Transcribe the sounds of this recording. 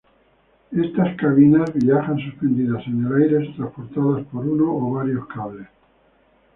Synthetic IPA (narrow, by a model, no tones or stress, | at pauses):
e̞st̪askaβinazβiaxansuspe̞nd̪iðasenelajɾe̞st̪ɾaspo̞ɾt̪aðaspo̞ɾunoːβaɾjo̞skaβles